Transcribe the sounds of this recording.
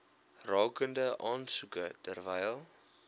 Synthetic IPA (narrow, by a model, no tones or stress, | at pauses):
rɑːkəndəʔɑːnsukətərvɛjlˠ